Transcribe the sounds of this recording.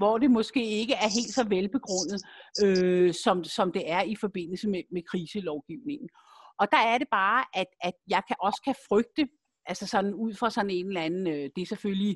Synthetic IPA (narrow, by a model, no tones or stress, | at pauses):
ʋɒd̥e̝mɒ̽sɡ̥e̝̰ːe̝ɡ̥əæɐɦe̝̰ːld̥sɒ̽ʋelb̥e̝ɡ̥ʁɔ̽n̰ð̩ˠøsɒ̽msɒ̽md̥e̝æɐifɒ̽b̥e̝n̰l̩səmemekʰʁiːsəlɒʊɡ̥iʊne̝ŋn̩ | ʔɒ̽d̥ɑ̈æɐɾe̝b̥ɑ̈ːʔæd̥æd̥jɑ̈ɪkʰæʔɒ̽skʰæfʁœɡ̥̚d̥ə | ʔælsɐsɒ̽nn̩uð̰ˠfʁɑ̈sɒ̽n̩e̝nlæn̩ød̥e̝sefølji